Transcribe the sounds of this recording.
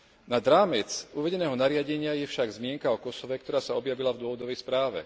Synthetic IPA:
nad̪ɾaːmɛt͡suʋɛɟɛnɛːɦɔnaɾɪaɟɛɲɪajɛfʃaɡzmɪɛŋkaɔkɔsɔʋɛk̚t̪ɔɾaːsaɔbjaʋilavd̪ʊɔʋɔd̪ɔʋɛjspɾaːʋɛ̰

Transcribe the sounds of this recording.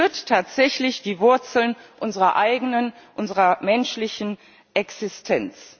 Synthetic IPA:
ɐttʰːaːtz̥ɛçlɪçd̥iːvʊɐt͡sl̩nʔʊnzəʁɐʔaɪɡənənʔʊnzəʁɐmɛnʃlɪçn̩ | ʔɛksɪstʰɛnt͡s

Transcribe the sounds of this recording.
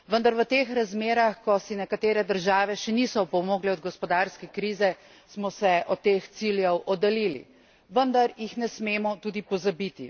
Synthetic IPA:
ʋənd̪aɾʋət̪eːxɾazmeːɾaxkɔsinɛkat̪eːɾɛd̪əɾʒaːʋɛʃɛnisɔpɔmoːɡlɛɔd̪ɡɔspɔd̪aːɾskɛkɾiːzɛ | smɔsɛʔɔt̪ːeːxt̪siljɛwʔɔd̪alilḭ | ʋənd̪aɾjixnɛsmeːmɔt̪ud̪ipɔzabit̪ḭ

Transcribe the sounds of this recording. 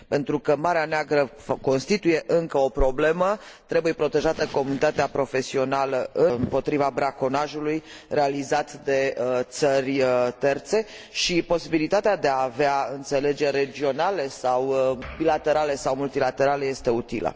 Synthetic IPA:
pe̞nt̪ɾukəmaɾeaneaɡɾə | ko̞nst̪it̪uje̞ʔɨŋkəo̞pɾo̞ble̞mə | t̪ɾe̞buje̞pɾo̞t̪e̞ʒat̪əko̞munit̪at̪eapɾo̞fe̞sio̞naləʔɨɨmpo̞t̪ɾivabɾako̞naʒuluj | re̞alizat̪d̪e̞t̪sərʲət̪e̞rt̪se̞ | ʃipo̞sibilit̪at̪ead̪eaːveaɨnt̪se̞le̞d͡ʒe̞rʲːe̞d͡ʒio̞nale̞sawbilat̪e̞ɾale̞sawmult̪ilat̪e̞ɾaleje̞st̪e̞ut̪ilə̰

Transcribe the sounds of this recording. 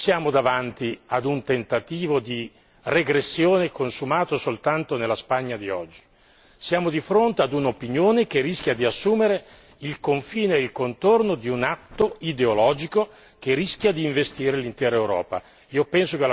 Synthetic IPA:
sjaːmod̪avant̪iad̪unt̪ent̪at̪iːvod̪i | reɡɾesːjoːnekonsumaːt̪osolt̪ant̪onelːaspaɲːad̪iɔ̰d͡ʒːi̥ | sjaːmod̪ifɾont̪ead̪unopinjoːnek̟erːisk̟ʲjad̪iasːuːmeɾe | ilkoɱfiːneeilkont̪ornod̪iunat̪ːoid̪eolɔːd͡ʒiko | k̟erːisk̟ʲjad̪iːɱvest̪iːɾelint̪ɛːɾaewɾɔ̰ːpa̰ | iːopɛnsokela

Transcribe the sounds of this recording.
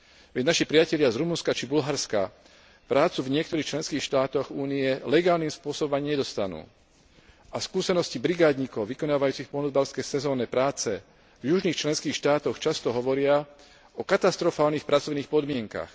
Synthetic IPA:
ʋɛɟnaʃipɾɪacɛʎɪazɾumunskat͡ʃibulɦaɾska̰ | pɾaːt͡suvɲɪɛkt̪ɔɾiːxt͡ʃlɛnskiːxʃt̪aːt̪ɔɣuːniɛlɛɡaːlniːmspʊɔsɔbɔmaɲɲɛd̪ɔst̪anṵː | afskuːsɛnɔscibɾiɡaːd̪ɲikɔʊʋikɔnaːʋajuːt͡sixpɔnɔzbalskɛjsɛzɔːnɛpɾaːt͡sɛ | vjuʒniːxt͡ʃlɛnskiːxʃt̪aːt̪ɔxt͡ʃast̪ɔɦɔʋɔɾɪa | ɔkat̪ast̪ɾɔfaːlniːxpɾʔat͡sɔʋniːxpɔd̪mɪɛŋka̰x

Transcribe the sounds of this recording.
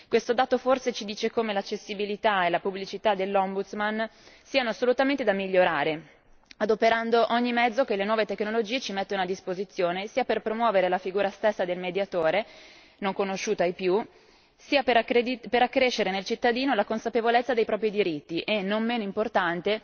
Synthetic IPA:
kwest̪od̪aːt̪oforset͡ʃid̪iːt͡ʃekomelat͡ʃːesːibilit̪aelapublit͡ʃit̪ad̪elːɔmbut̪smansiːanoasːolut̪ament̪ed̪amiʎːoɾaːɾe | ad̪opeɾand̪oʔoɲːimɛd̪zːokelenwɔːvet̪eknolod͡ʒiːet͡ʃimet̪ːonoad̪ːispozit̪sːjoːnesiːaperpɾomwɔːveɾelafiɡuːɾast̪esːad̪elmed̪jat̪oːɾe | noŋkonoʃuːt̪aejpju | siːapeɾepeɾakːɾeʃːeɾenelt͡ʃit̪ːad̪iːnolakonsapevolet̪sːad̪ejpɾɔːpɾid̪iɾit̪ːiʔenːommeːnoimport̪ant̪e

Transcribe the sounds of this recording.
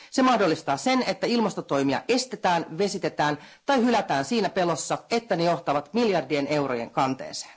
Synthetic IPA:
se̞mɑhdo̞lːist̪ɑːse̞ne̞t̪ːæilmɑst̪ot̪o̞jmiɑ̰ʔe̞st̪e̞t̪æːnʋe̞sit̪e̞t̪æːnt̪ɑjhylæt̪æːnsiːnæpe̞losːɑe̞t̪ːænejo̞ht̪ɑʋɑt̪miljɑrdiene̞wro̞je̞̰ŋkɑnt̪ḛːse̥ːn

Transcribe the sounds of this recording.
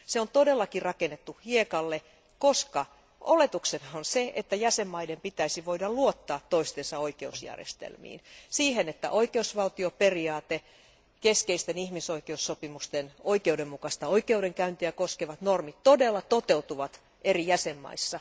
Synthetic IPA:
seont̪odelːɑkirɑkenːet̪ːuhiekɑlːe | koskɑ | ʔolet̪uksenɑonseet̪ːæjæsemːɑidempit̪æisiʋoidɑlluot̪ːɑːt̪ːoist̪ensɑoikeusjæ̰rjḛst̪ḛlmḭːnsiːhenet̪ːæ̰ʔoikeusʋɑlt̪ioperiɑːt̪e | keskeist̪enihmisoikeusːopimust̪enoikeudemmukɑst̪ɑoikeudeŋkæynt̪iækoskeʋɑt̪normit̪todelːɑt̪ot̪eut̪uʋɑt̪ | ʔerijæsemːɑ̰isːɑ

